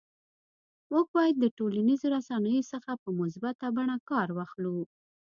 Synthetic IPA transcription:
mok̚bɑjad̪ːəʈolanizoɾasɑnəjosəxapəmʊsbat̪abaɳakɑɾwɑxlu

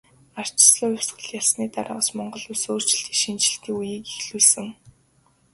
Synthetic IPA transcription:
ar̥t͡ɕɪ̥̆sɮʊːjʊwʲsɢə̆ɮjaɮsniːt̪aɾʔă̰smɔɴɢɞ̆ɮusoːr̥t͡ɕɪ̥̆ɬt̪i̥ʃint͡ɕɪ̆ɬt̪iːkujiːkixɮuːɮsɘ̆ŋ

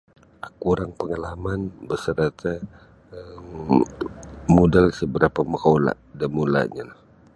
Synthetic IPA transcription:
akuɾaŋpəŋalamanbəsəɾat̪a | əm | mudalsəbəɾapaməkawla̰ʔdamula̰ʔɲalah

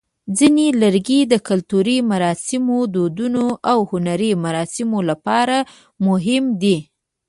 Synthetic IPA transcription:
d͡zineləɾɡid̪əkalt̪uɾimaɾɑsɪmod̪od̪unoʔawhʊnaɾimaɾɑsɪmolapɑɾa | mʊɦɪmd̪i

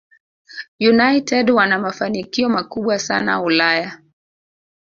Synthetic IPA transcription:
junajtɛdwanamafanikiɔmakuɓwasa̰na̰ulaja

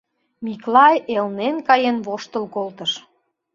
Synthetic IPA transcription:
miklɑjelnenkɑjenβoʃt̪əlkolt̪əʃ

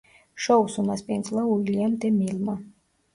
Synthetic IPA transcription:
ʃɔwsumaspinslˠaulʲiɛmt̪ɛmilʲma

